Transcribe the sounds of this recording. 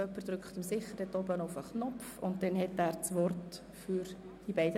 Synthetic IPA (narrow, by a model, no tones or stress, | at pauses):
œpːəɾd̥̪ɾʏkχtɪmsɪχəɾdɛtɔbənɔʊfəχnɔfʊ̰nt̚dɛnhɛtæːɾt͡sʋɔrt | fyɾ | d̥ibɛɪdə